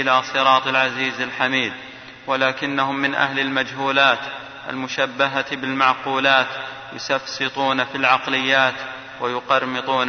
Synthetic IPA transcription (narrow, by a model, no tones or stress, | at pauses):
ɪlasˤɨɾˤɑːt̪ˤlʕaziːzalħamiːd̪̚ | walaːkɪnːahʊmːɪnʔa̰hlalmad͡ʒɦuːlaːt̪ | ʔa̰lmʊʃabːaɦabɪlmɑʕquːlaːt̪ | jʊsɑfsɨt̪ˤuːnafilʕɑqlɪjːaːt̪ | wajʊqɑɾˤmɨt̪ˤuːn